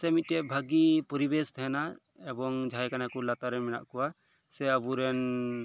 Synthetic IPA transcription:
sɛmit̪̚tɛbʱaɡipɔɾibest̪ʰɛɦɛna | ɛbɔŋd͡ʒʱajkanakulat̪aɾɛmɛna̰ʔkɔwa | sɛabuɾɛn

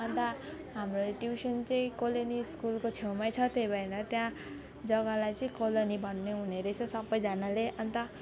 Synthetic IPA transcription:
ʌnt̪ʌ | ɦamroʈiwsʌnt͡sʌĩkoleniskulkot͡sʰewmajt͡sʰʌt̪ejbʱʌeɾʌt̪jã | d͡zʌɡʌlajt͡sʌĩkolenibʱʌnːeɦuneɾet͡sʰʌsʌbːʌjd͡zanaleʔʌnt̪ʌ

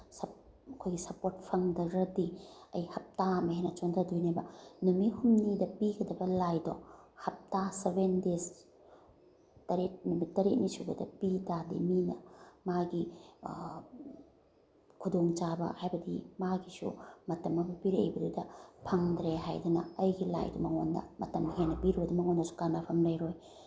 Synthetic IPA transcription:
sɐ | ɐkʰojɡisɐpoɾt̚pʰɐŋdɐɾɐdiɐ̰jhɐp̚tamɐɦenɐt͡ʃond̪ɾɐdujnabɐnumihumnidɐpiɡɐdɐbɐlajdo̰hɐp̚tasebendes | tɐɾet̚numitːɐɾet̚nisuɡɐdɐ̰pitadḛminɐ̰maɡi | kʰudoŋt͡ʃabɐ̰hajbɐdḭmaɡisṵmɐtɐmːɐbɐpiɾeʔjbɐdudɐpʰɐŋdɾeɦa̰jdunɐ̰ɐjɡila̰jdɔmɐŋondɐ̰mɐ̰tɐmhenːɐpiɾibɐdumɐŋondɐsu̥kanapʰɐmɾajɾoj

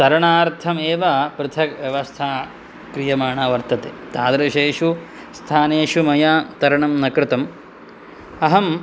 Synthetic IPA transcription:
t̪ɐɾɐɳaːɾt̪ʰɐmeːʋɐpɾɨt̪ʰɐkʋjɐʋɐst̪ʰaː | kɾijɐmaːɳaːʋɐɾt̪ɐt̪eːt̪aːd̪ɾɐʃeːʂu | st̪ʰaːneːʂumɐjaːt̪ɐɾɐɳɐmnɐkɾɪt̪ɐm | ɐɦɐm

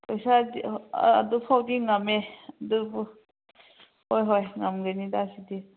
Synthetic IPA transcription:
pajsadia̰dupʰawdiŋameadub | hojɦojŋamɡɯnidasidi

